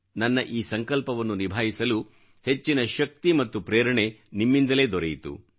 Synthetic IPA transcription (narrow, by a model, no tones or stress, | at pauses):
nɐnːɐʔiːsɐŋkɐlpɐʋɐnːunibʱaːjisɐlu | het͡ʃːinɐʃɐk̚t̪imɐt̪ːupɾeːɾɐɳe̞nimːind̪ɐle̞ːd̪ɔɾejit̪ṵ